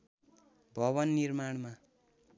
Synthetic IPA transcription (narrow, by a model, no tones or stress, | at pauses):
bʱʌβʌnːirmaɽma